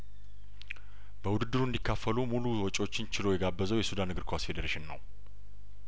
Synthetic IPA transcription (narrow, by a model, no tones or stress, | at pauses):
b̥əwʊd̪ɨd̪ːɨɾuɨnd̪ikːafːəlumuluwɔt͡ʃʼo̞t͡ʃːɪnt͡ʃʰɪlo̞jɛɡabːəzəwjɛsud̪anːɨɡɨɾkʰasfe̞d̪əɾeʃɪnːə̰w